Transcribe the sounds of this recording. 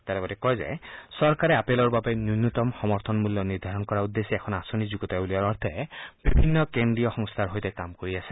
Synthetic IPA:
t̪aɾɛbɔtɛkɔjzɛ̰sɔɹkaɹɛapelɔɹbabɛnjunut̪ɔmxɔmɔɾt̪ʰɔnmuljɔniɹd̪ʱaɹɔnkɔɹaud̪ːesiɛkʰɔnasonizuɡɔtabuliaɹɔɹt̪ʰɛb̥ibʱinːɔkendɹijɔxɔŋst̪ʰaɹɦojtɛkamkoɹiasʰɛ̥

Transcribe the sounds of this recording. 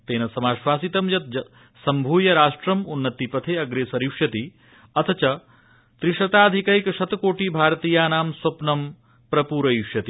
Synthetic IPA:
t̪eːnɐsɐmaːʃʋaːsit̪ɐmjɐt̪̚d͡ʒɐ | sɐmbʱuːjɐɾaːʂʈɾɐmunːɐt̪ipɐt̪ʰeːɐɡɾeːsɐɾiwʂjɐt̪i | ɐt̪ʰɐt͡ʃɐ | t̪ɾiʃɐt̪aːd̪ʱikɐikɐʃɐt̪koːʈiːbʱaːɾɐt̪iːjaːnaːmswɐpnɐm | pɾɐpuːɾɐjiwʃjɐt̪i

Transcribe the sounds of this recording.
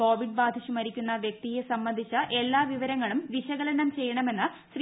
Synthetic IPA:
o̞ːʋiɖbaːd̪ʱiɕumɐɾikʲːunːɐʋjɐk̚t̪ijesɐmːɐnd̪ʱit͡ɕːɐʔe̞lːaːʋiʋɐɾɐŋːɐɭumʋiɕɐɣɐlɐnɐmt͡ɕe̞jːɐɳɐme̞nːɨ | ɕr

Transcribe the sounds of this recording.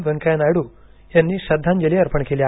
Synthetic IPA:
ʋeŋkajnajɽuː | janːiːɕɐd̪ʱːand͡ʒɐleɐɾpəɳkelja

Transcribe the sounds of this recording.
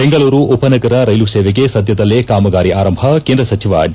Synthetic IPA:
beŋɡɐɭuːɾuʔopɐnɐɡɐɾɐɾɐjluseːʋeɡesɐd̪ʱjɐd̪ɐlːekaːmɐɡaːɾiʔaːɾɐmbʱɐkeːnd̪ɾɐsɐt͡ʃʰiʋɐ̰

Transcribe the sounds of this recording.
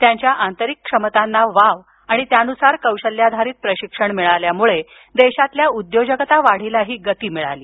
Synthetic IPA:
t̪jaɲt͡ɕjaʔant̪əɾikːʂəmət̪anːaʋaʋ | aɽ̃it̪janusaɾkəwɕəlːjad̪ʱaɾiːt̪̚pɾəɕikʂəɳmiɭaljamuɭe | d̪eɕat̪ljaud̪jod͡ʑəkət̪aʋaɽ̤ilaɦiːɡət̪iːmiɭa̰liː

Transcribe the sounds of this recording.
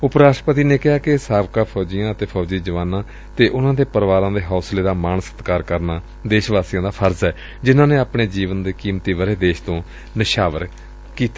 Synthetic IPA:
ʊpɾaːsʈɾəpət̪iːneːkɪɦaːkɪsaːʋkaːpʰɔːd͡ʒijãːət̪eːpʰɔːd͡ʒiːd͡ʒəʋaːnãː | t̪eːʔʊnãːd̪eːpəɾʋaːɾãːd̪eːɦɔːsleːd̪aːmaːnəsət̪kaːɾkəɾnaː | d̪eːʃʋaːsiːjãːd̪aːpʰəɾzɛː | d͡ʒɪnãːneːaːpɳeːd͡ʒiːʋənd̪eːkiːmt̪iːʋəɾeːd̪eːʃt̪õː | nəʃaːʋə̰ɾ | kiːt̪a

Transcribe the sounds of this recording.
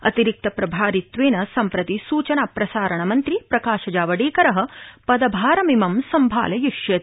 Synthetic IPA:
ɐ̰t̪iɾik̚t̪ɐpɾɐbʱaːɾit̪ʋeːnɐsɐmpɾɐt̪isuːt͡ʃɐnaːpɾɐsaːɾɐɳɐmɐnt̪ɾipɾɐkaːʃɐd͡ʒaːʋɐɽeːkɐɾɐɦɐpɐd̪ɐbʱaːɾɐmimɐmsɐmbʱa̰ːlɐjuʃjɐt̪

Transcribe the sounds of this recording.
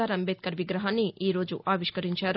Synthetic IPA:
aːɾɐmbet̪̚kɐɾʋiɡɾɐɦaːnːiʔiːɾo̞ːd͡ʒuʔaːʋiʃkɐɾiɲt͡ʃaːɾ

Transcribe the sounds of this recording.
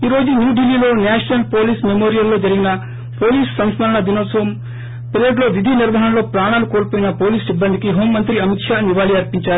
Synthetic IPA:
iːɾoːd͡ʒunjuːɖilːiːlo̞ːnaːʂɐnɐlpoːliːsmemoːɾijɐlːo̞ːd͡ʒɐɾiɡinɐ | poːliːssɐmsmɐlɐɳɐd̪inoːsɐʋɐm | pɾeːɖlo̞ːʋid̪ʱiniɾʋɐɦɐnlo̞ːpɾaːɳ̃aːlukoːɾpoːjinɐpoːliːsibːɐnd̪ʱikiɦo̞ːmːɐnt̪ɾiɐmit̪ʂaːniʋaːliɐɾpiɲt͡ʃaːɾu

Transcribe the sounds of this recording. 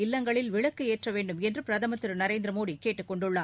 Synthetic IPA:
ɪlːɐŋɡɐɭɪlʋɪɭɐkːɯeːʈrɐʋeːɳɖɯmɛndrɯpɪɾɐðɐmɐt̪ːɯɾnɐɾeːnd̪ɾɐmoːɽikeːʈːɯkːɔɳɖɯɭːaː

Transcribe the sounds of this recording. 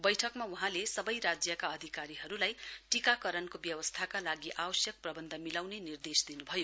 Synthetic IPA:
bʌjʈʰʌkmawuɦãlesʌbʌjɾad͡zjʌkaʌd̪ʱikaɾiɦʌɾulajʈikakʌɾʌnkobjʌwʌst̪ʰakalaɡiʔawʌsjʌk̚prʌbʌnd̪ʱʌmilawnenird̪esd̪inubʱʌjo

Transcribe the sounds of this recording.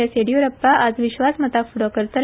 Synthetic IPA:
aseɽijoɾəpːaʔad͡zʋiɕʋasmət̪akfuɽɔkəɾt̪ə

